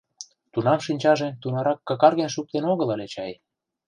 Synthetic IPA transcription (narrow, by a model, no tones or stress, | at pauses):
t̪unɑmʃinʲt͡ɕɑʒet̪unɑɾɑkːɑkɑrɣenʃuk̚t̪enoɣəlɑlet͡ɕɑj